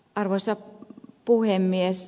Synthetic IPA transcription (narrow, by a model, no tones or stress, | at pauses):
ʔɑrʋosːɑpuhemːies